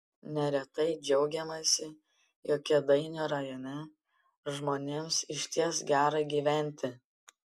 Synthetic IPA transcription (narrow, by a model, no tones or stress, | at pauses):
nʲɛɾʲɛt̪ɐɪd͡ʒʲɛʊɡʲɛmɐsʲɪ | joːkʲɛd̪ɐɪnʲeːɾɐjoːnʲɛ | ʒmoːnʲeːmsɪʃʲt̪ʲiɛsɡʲæːɾɐɡʲiːʋʲæˑnʲt̪ʲɪ